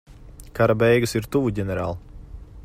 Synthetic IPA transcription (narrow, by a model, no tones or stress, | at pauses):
kaɾabɛjɡɨsiɾt̪uvuɟɛnɛɾa̰ːlˠ